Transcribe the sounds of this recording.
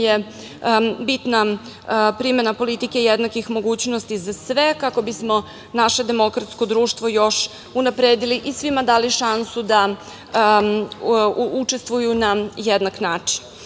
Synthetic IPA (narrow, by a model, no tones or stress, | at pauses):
je | bit̪na | pɾime̞napo̞lit̪ike̞jed̪nakixmo̞ɡuːt͡ɕnost̪izasʋekako̞bismo̞ | naʃe̞d̪e̞mo̞kɾat̪sko̞d̪ɾuːʃt̪ʋo̞jo̞ʃ | unapɾeːd̪iliʔisʋimad̪aːliʃansud̪a | ut͡ʂest̪ʋujunajed̪naknaːt͡ʂin